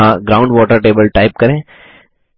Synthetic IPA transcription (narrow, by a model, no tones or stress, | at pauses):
ãɡɾaʊ̃ɳɖʋɔːʈəɾʈeːbəlʈaɪp̚kɐɾẽː